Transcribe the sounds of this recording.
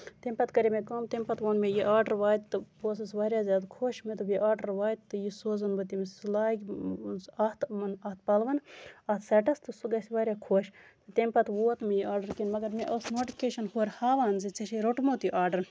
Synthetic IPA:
t̪emʲpɐt̪kɐɾʲimekɐːmt̪emʲpɐt̪ʋoːnmejiʔaːɾɖɐɾʋaːt̪̚t̪ːɨpoːs̬ɐsʋaːɾjaːzʲjaːd̪kʰoːʃmet̪ubiʔaːɾɖɐɾʋaːd̪̚t̪ːɨjisoːzɐnbɨt̪imslaːɡʲ | ɐt̪mɐnɐht̪̚ʰpɐlʋɐnɐt̪ʰsɐʈɐst̪ɨsuɡɐsiʋaːɾʲjaːkʰoːʃt̪ɨt̪emʲpɐt̪ʋoːt̪mejiaːɖɐɾkinmɐɡɐɾmeʔɐːsnoːʈipʰʲkeːʃɐnhoːɾhaːʋaːnzit͡sɐʃiɾoʈmot̪iʔaːɾɖɐɾ

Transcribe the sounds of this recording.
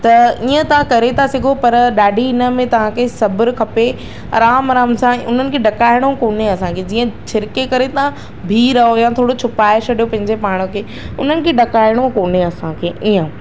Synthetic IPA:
t̪ɐiːə̃t̪ɐʋ̤ãkɐɾet̪ʰasɐɡʱopɐɾɗaːɖʱiɪnə̆mẽt̪ɐʋ̤ãkʰesɐbɪɾkʰɐpe | ɐ̰ɾaːmɾaːmsãʊ̰n̤ənɪ̆kʰeɖɐkaːɪɽ̃õkoːneɐsãkʰed͡ʑiːə̃t͡ɕʰɪɾkekɐɾet̪ɐã | bʱiːɾɐɦojãt̪ʰoːɽot͡ɕʰʊpaːɪt͡ɕʰɐɗijopɐ̃ɦɪ̃ɲd͡ʑepaːɽ̃əkʰeː | ʊn̤ənɪ̆kʰeɖɐkaːɪɽ̃okoːneɐsãkʰeːiə̃

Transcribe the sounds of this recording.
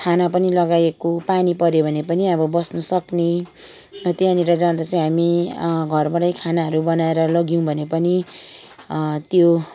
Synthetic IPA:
kʰanap̬ʌnilʌɡajekopanipʌɾjobʱʌnepʌniʌbʌbʌsnʌsʌkne | t̪eaniɾʌd͡zand̪at͡saĩɦamiɡʱʌrbʌɽʌjkʰanaɦʌɾubʌnaeɾʌlʌɡijũbʱʌnepʌni | t̪jo

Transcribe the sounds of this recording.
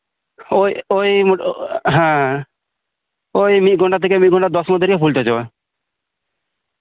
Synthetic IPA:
ojojmɦɛ̃ | ojmit̪̚ɡʱɔɳʈat̪ʰːekemit̪ɡʱɔɳʈad̪ɔsmoɔd̪ʱːeɾkepʰult̪ed͡ʑɔe

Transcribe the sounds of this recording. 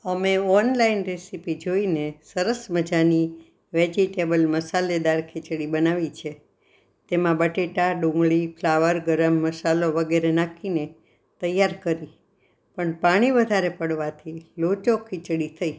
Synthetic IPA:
əmeɔnlainɾesipid͡ʒoinesəɾəsməd͡ʒani | ʋed͡ʒiʈebəlməsaled̪aɾkʰɪt͡ʃɽibənaʋit͡ʃʰe | t̪emãbəʈeʈaɖũŋɡɭipʰlaʋəɾɡəɾəmːəsaloʋəɡeɾenãkʰine | t̪əjːaɾkəɾi | pəɳpaɽ̃iʋəd̪ʱaɾepəɽʋat̪ʰilot͡ʃokʰɪt͡ʃɽit̪ʰəi

